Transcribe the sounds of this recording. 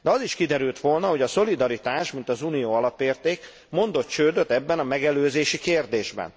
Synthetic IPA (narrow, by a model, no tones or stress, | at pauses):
d̪ɛɒziʃkid̪ɛɾylt̪ʋo̞lnɒɦo̞ɟɒso̞lid̪ɒɾit̪aːʃmint̪ɒzuːnijoːɒlɒpeːrt̪eːk | mo̞nd̪o̞t̪t͡ʃøːd̪øt̪ɛbːɛnɒmɛɡɛløːzeːʃikeːrd̪eːʒbɛ̰n